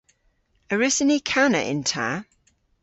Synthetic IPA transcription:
əɹɪsənikʰanəʔɪ̰̃ntʰa̰ː

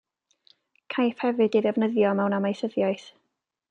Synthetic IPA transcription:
kʰajfhɛvɨdiðɛvnəðjɔmɛwnamajsəðjajθ

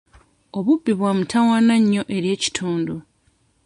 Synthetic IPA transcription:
o̞βubːiβwaːmutʰawanaɲːo̞ʔe̞ɾje̞ːci̥tʰuːndo

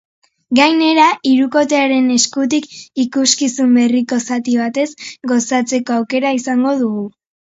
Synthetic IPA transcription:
ɡajne̞ɾaiɾuko̞t̪e̞aɾe̞ne̞skut̪̬ikikuskisumbe̞riko̞sat̪iβ̞at̪e̞zɡo̞sat͡se̞ko̞awke̞ɾaisaŋɡo̞ðuɣu

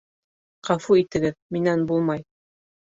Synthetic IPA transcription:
qɑfuit̪ɘ̆ɡɘðminænbulˠmɑj

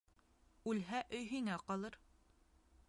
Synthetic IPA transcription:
ʉlɦæʔɵ̆jɦiŋæqɒlˠɤɾ

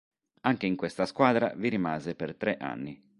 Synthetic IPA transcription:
aŋk̟eiŋkwest̪askwaːd̪ɾa̰viɾimaːzepert̪ɾɛʔa̰nːi

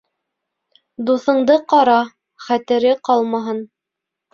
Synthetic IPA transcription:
d̪uθɤ̆ɴd̪ɤqɑɾɑ | χæt̪ɘ̆ɾɘqɑlˠmɑɦɤn

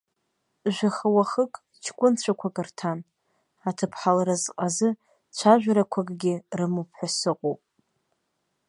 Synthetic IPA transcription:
ʒᶣʷaχəwaχəkʼ | t͡ʃʰkʷʼʊnt͡ɕʷʰakʷʰakʼɨrtʰan | atʰɨpʰħalaɾazqʼazɨ | t͡ɕʷʰaʒᶣʷaɾakʷʰakʼɡʲɪrɨmupʰħʷasɨqʼopʼ

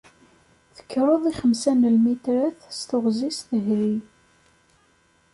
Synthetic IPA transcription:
θə̥kːɾˤoðˤiχəmsænəlmit̪ɾæθst̪ʊʁzisθəɦɾi

